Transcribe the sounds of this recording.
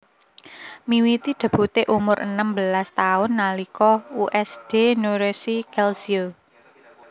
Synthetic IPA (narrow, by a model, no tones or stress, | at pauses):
miwit̪id̪̥a̤b̥ṳt̪eʔumʊɾə̰nəmbəlast̪aʊnːalikɔuʔɛsd̥enuɾesikɛlsio